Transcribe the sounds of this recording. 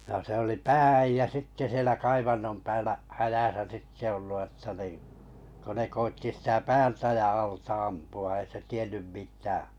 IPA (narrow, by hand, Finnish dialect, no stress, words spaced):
no se oli pæːæijːæ sitːe sielæ kɑiʋɑnːom pæːlːæ hæjæsæ sitːe olːu ətːɑ niː ko ne koitːi sitæ pæːltæ jɑ ɑltɑ ɑmpuɑ ei se tienˑym mitæː